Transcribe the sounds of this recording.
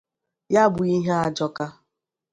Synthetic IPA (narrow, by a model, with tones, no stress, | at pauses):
ja˦bʊ˨i˦ɦe˦a˦d͡ʒɔ˦ka˦